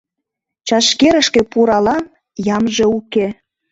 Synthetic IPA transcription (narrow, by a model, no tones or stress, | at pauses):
t͡ɕɑʃkeɾə̆ʃkĕpuɾɑlɑn | jɑmʒeuke